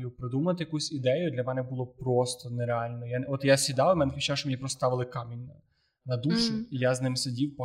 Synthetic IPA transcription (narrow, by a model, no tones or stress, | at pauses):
jʊpɾed̪umɐɐt̪ɪjɐkusʲid̪ɛjʊd̪lʲɐmɛnɛbʊlˠɔpɾɔst̪ɔneɾeɑlʲnɔjaɔt̪jasʲid̪ɑwmɛnɛxit͡ʃaʃɔmeipɾɔst̪ɑʋɪlˠɪkɑmʲinʲ | nɐd̪uʃʊijaznɪmsedʲiwpɔ